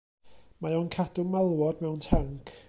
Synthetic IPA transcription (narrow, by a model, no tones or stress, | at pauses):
majɔwnkʰadʊmalˠwɔdmɛwntʰaŋkʰ